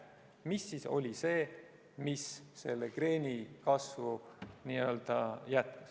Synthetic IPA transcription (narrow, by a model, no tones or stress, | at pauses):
misːiso̞̰lʲise̞ː | misːe̞lːekre̞ːnʲikɑsvuniːø̞ld̪̥ɑjæt̪̚kus